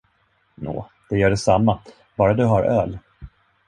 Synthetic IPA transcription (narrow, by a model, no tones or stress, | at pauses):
no̰ːd̪̥ɛjœːɖɛsamːa | b̥ɑːɾad̪ɵɦaɾʔœːl